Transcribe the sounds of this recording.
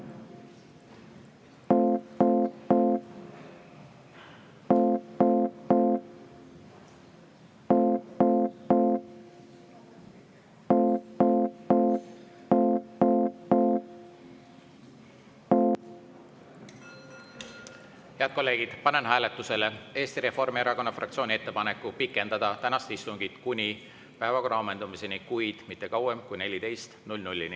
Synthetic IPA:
he̞ɑd̪̚ko̞lːe̞ːɡ̥id̪̥pɑne̞nɦæːle̞t̪ːˑuse̞le̞e̞ːst̪iɾe̞fo̞rmieɾɑko̞nːɑfrʔɑkt̪sio̞ːnʲiet̪ːe̞pɑnekːˑupikːˑe̞nd̪̥ɑd̪̥ɑt̪ænɑst̪ist̪uŋɡ̥it̪kunʲi | pæevɑko̞rʔɑome̞nd̪̥umise̞nikujd̪̥mit̪ˑːe̞kɑwemkujne̞lʲit̪e̞jst̪nulʲnulʲːini

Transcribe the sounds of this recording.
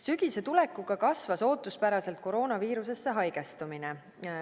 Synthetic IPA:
syɡ̥ise̞t̪ulekˑːuɡ̥ɑkɑsvɑso̞ːt̪ːˑuspæɾɑse̞lt̪̚ko̞ɾo̞ːnɑviːɾuse̞sːe̞ɦɑjɡ̥e̞st̪umine

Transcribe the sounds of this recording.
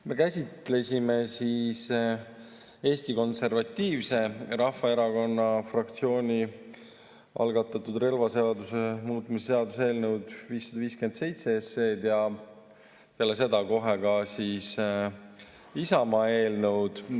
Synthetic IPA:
me̞kæsʲit̪le̞sʲime̞sis | e̞ːst̪iko̞nse̞rvɑt̪ʲːiːvse̞ɾɑhfɑe̞ɾɑko̞nːɑfrɑkt̪sio̞ːnʲi | ʔɑ̰lɡɑt̪ːˑɑt̪ud̪re̞lvɑse̞ɑd̪usemuːt̪ːˑmiseseɑd̪us̬e̞ːlnəwd̪̥viːsːɑd̪ɑviːske̞nd̪se̞jt̪se̞esːe̞ːd̪jɑ | pelːes̬e̞d̪̥ɑko̞ɦekɑsiːs | isɑmɑe̞ːlnəwd̪̥

